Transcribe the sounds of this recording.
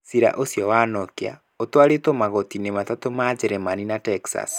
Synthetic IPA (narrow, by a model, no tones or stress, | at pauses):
siɾa̰ʔosjɔwanɔkea̰ | otwaɾetomaɣɔtinematatomad͡ʒɛɾemaninatɛksa̰s